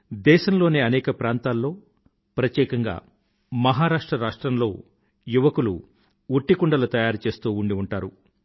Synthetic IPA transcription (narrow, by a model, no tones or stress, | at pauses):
d̪ɛːʃɐmlo̞ːneːɐnɛːkɐpɾaːnt̪aːlːo̞ː | pɾɐt̪jɛːkɐŋɡa̰ː | mɐɦaːɾaːʂʈɾɐɾaːʂʈɾɐmlo̞̰ː | juʋɐkulṵ | uʈːikuɳɖɐlut̪ɐjaːɾut͡ʃe̞ːst̪uːuɳɖiuɳʈaːɾu